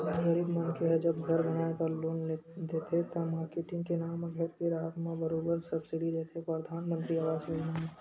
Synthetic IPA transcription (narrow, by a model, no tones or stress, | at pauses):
ɣɐɾiːbmɐnkeɦɛd͡ʒɐbɡʱɐɾbɐɽ̃aːekɐɾloːnd̪eːt̪ʰet̪ɐ̃maːɾkeʈɪ̃ŋɡkenaːmɡʱɐɾkeɾaːɦət̪mãbɐɾoːbəɾsɐbsɪɽid̪eːt̪ʰepɾəd̪ʱaːnmə̃nt̪ɾiaʋaːzenam